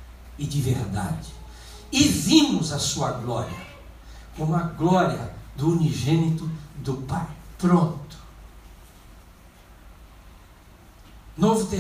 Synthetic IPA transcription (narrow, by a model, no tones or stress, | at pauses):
ɪd͡ʒɪveɾd̪a̰d͡ʒɪ̥ | ɪvĩmʊzɐsuɐɡlɔɾiɐ | kõmʊɐɡlɔɾiɐd̪ʊuniʒẽnit̪ʊd̪ʊpajpɾõnt̪ʊ̥ | novʊt̪e